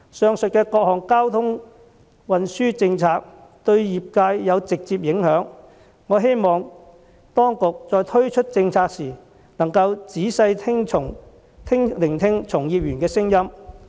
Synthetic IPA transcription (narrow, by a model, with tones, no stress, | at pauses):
sœː˨˧ŋsɵ˨t̚kɛː˧kɔː˧k̚hɔː˨ŋkaː˥wt̪ʰʊ˥ŋ | wɐ˨nsyː˥t͡sɪ˧ŋt͡sʰaː˧k̚t̪ɵ˧ɥjiː˨p̚kaː˧jːɐ˨˧wt͡sɪ˨k̚t͡siː˧p̚jɪ˨˥ŋhœː˨˥ŋː | ɔː˨˧ɦe˥jmɔː˨ŋ | t̪ɔː˥ŋkʊ˨k̚t͡sɔː˨˧jt̪ʰɵ˥ɥt͡ʃʰɵ˥t̚t͡sɪ˧ŋt͡sʰaː˧k̚siː˨˩ | nɐ˨˩ŋkɐ˧wt͡siː˨˥sɐ˧jʰɪ˥ŋʰʊ˨˩ŋ | t̪ʰɪ˥ŋlɪ˨˩ŋt̪ʰɪ˥ŋt͡sʰʊ˨˩ŋjiː˨p̚jyː˨˩nkɛː˧sɪ˥ŋjɐ˥m